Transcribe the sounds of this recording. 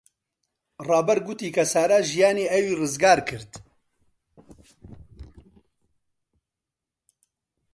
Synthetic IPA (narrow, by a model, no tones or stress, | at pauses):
rɑːbɐɾɡut̪iːkʰɐsaːɾaʒijaːniːɛwiːrɨzɡaːɾkʰɨɾt̪